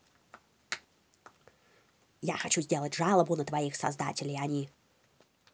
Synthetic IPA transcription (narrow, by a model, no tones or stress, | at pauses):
ja̰xɐt͡ɕuzʲdʲelˠətʲʐalˠəbʊnət̪vɐixsɐ̰zd̪a̰tʲɪlʲɪjɐnʲi